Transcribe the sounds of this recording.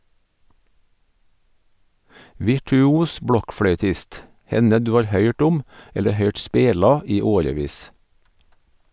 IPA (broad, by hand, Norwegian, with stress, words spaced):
ʋɪʈʉˈuːs ˈbɽɔkfɽœʏˌtɪst ˈhɛnə ˈdʉː ˈɑːɾ ˈhœʏʈ ˈʊm ˈɛlə ˈhœʏʈ ˈspeːlɑ ˈiː ˈoːɾəˌʋiːs